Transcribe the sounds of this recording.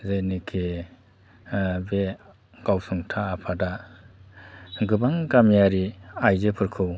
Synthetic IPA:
zenikʰe | be | ɡ̥awsɯŋtʰaːpʰada | ɡɯbaŋkamjaɾiajzɯpʰɯɾkʰɯw

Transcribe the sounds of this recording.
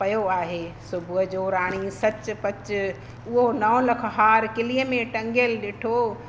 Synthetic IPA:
pɐjoaːɦeːsʊbʱɦʊd͡ʑoɾaːɽ̃isɐt͡ɕpɐt͡ɕ | ʊɦonɐʋlɐkʰɦaːɾkɪliəmẽʈɐ̃ŋɡəlɗeːʈʰo

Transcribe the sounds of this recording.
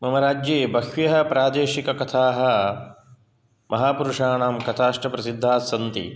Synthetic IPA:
mɐmɐɾaːd͡ʒjeːbʱɐkʋjɐɦɐpɾaːd̪eːʃikɐkɐt̪ʰaːɦɐ̆ | mʔɐɦaːpuɾuʂaːnaːmkɐt̪ʰaːʂʈɐpɾɐsid̪ʱːaːsɐnt̪ḭ

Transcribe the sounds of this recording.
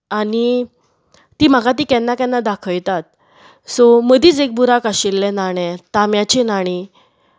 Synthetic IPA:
aɽiː | iːm̤akat̪̬iːkɛnːakɛ̃nːad̪akʰəjt̪at̪̚ | sɔməd̪iːt͡sek̚buɾakaɕilːɛnaɽ̃ɛ̃t̪amjat͡ɕinaɽ̃i

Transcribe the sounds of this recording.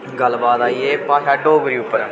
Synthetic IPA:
ɡəlbaːt̪aːieːpãːsaːʈoːɡəɾiːʊpːəɾ

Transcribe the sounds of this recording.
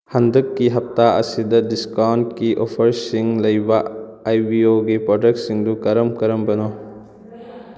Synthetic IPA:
hɐndɐkːiɦɐp̚taɐ̰sidɐdiskawnt̚kiʔɔpʰɐɾsiŋlɐjbɐajbioɡipɾɔdɐk̚t̚siŋdukɐɾɐmkɐɾɐmbɐno

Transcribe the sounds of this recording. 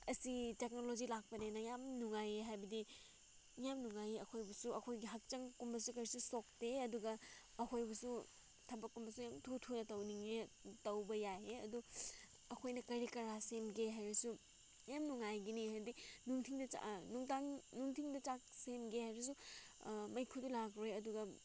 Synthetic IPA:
ɐsitek̚nolod͡ʒilak̚pɐnenɐjamnuŋajeɦajbɐdi | jamnuŋajeɐkʰojbɐsuɐkʰojɡiɦɐk̚t͡ʃɐŋkumbɐsukɐɾisusok̚teɐduɡɐː | kʰojbɐsu | tʰɐbɐkːumbɐsujamtʰutʰunɐtɐwniŋetɐwbɐjajeɐ̰du | ɐkʰojnɐkɐɾikɐɾasemɡeɦajɾɐsu | jamnuŋajɡinihajbɐdinuŋtʰiŋdɐa̰nuŋtaŋnuŋtʰiŋdɐt͡ʃak̚semɡehajɾɐs̬u | mɐjkʰudulaɡɾojɐduɡɐ

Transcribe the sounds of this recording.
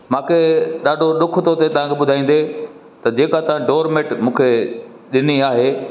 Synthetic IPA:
mãːkʰeɗaːɖʱoɗʊkʰt̪ʰot̪et̪ɐʋ̤ãkʰeɓʊd̪ʱaːĩːn̆d̪e | t̪ɐd͡ʑeːkat̪ɐʋ̤ãɖoːɾmeʈmũːkʰe | ɗɪniaːɦeː

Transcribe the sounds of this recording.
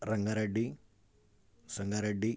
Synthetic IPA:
rɐŋɡɐɾɐɖi | sɐŋɡɐɾɐɖi

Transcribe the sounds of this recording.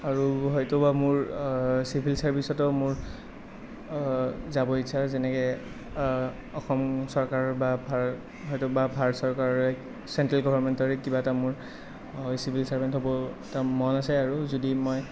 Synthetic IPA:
aɹuɦɔjtɔbamʊɹsipbʱilsaɹbʱisɔtɔmʊɹ | zabɔit͡ʃʰazɛnɛkɛ | ɔxɔmsɔɹkaɹɔɹbabʱa | ɦɔjtɔbabʱaɹsɔɹkaɹɔɹɛ | sɛntɹalɡɔbanmɛntɔɹɛkibatamʊɹ | sibʱilsaɹbɛntɦɔbɔtamɔnasɛaɹuzodimɔj

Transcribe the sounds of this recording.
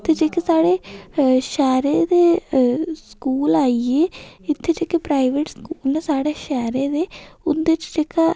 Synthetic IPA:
t̪ʰːed͡ʒeːkeːsaːɽeːʃɛːɾeːd̪eː | skuːlaːieːɪt̪ʰːeːd͡ʒeːkeːpɾaːiʋeːʈskuːlneːsaːɽeːʃɛːɾeːd̪eːʊnd̪et͡ʃd͡ʒeːka

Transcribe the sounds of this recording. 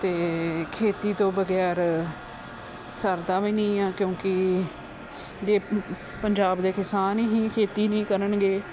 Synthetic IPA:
t̪eːkʰeːt̪iːt̪õːbəɡɛːɾ | səɾd̪aːʋiːnĩːãːkjõːkɪ | d͡ʒeː | pəɲd͡ʒaːbd̪eːkɪsaːniɦĩːkʰeːt̪iːnĩːkəɾənɡeː

